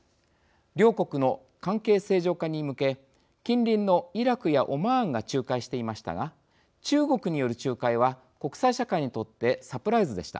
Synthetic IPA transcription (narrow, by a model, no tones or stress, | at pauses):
ɾʲo̞ːko̞kɯ̟no̞ | kãŋke̞ːse̞ːʑo̞ːkaɲ̟imɯ̟ke̞ | kʲĩnɾʲĩnːo̞iɾakɯ̟jaʔo̞mãːŋɡat͡ɕɨːkaiɕi̥t̪e̞imaɕi̥t̪a̰ɡa | t͡ɕɨːɡo̞kɯ̟ɲ̟ijo̞ɾɯ̟t͡ɕɨːkaiβ̞a | ko̞kɯ̟̥saiɕakaiɲ̟it̪o̞t̪ːe̞sapɯ̟ɾaizɨd̪e̞ɕi̥t̪a̰